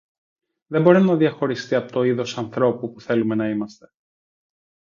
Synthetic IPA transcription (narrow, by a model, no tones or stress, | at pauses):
ðembo̞ɾinɐðiɐxo̞ɾist̪iɐpot̪o̞iðo̞sɐnθɾo̞pupuθe̞lume̞nɐimɐst̪e̞̥